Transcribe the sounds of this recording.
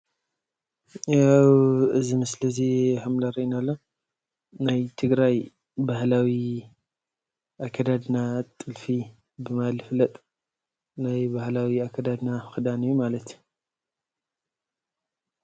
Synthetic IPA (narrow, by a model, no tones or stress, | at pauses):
awɨzimɨslɨzihamlaɾiinalːo | najt̪ʰɨɡɾaj | bahlawi | ʔakʰːad̪ad̪ɨnat̪ʼɨlfi | bɨmalɨflɐt̪ʼ | najbahlawiakʰɐd̪ad̪naxɨd̪anijumalɐt̪